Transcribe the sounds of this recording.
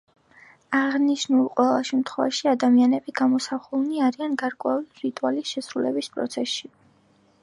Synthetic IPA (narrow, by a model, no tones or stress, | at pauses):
aʁniʃnulˠqʼwɛlˠaʃɛmt̪ʰχwɛva̰ʃiad̪amianɛbiɡamɔsaχulˠniaɾianɡaɾkʼwɛuliɾit̪ʼualisʃɛsɾulɛbispʼɾɔ̰t̪sʰɛsʃi